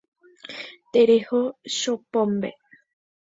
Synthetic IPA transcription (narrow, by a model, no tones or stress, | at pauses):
t̪eɾehoʃopõmbḛ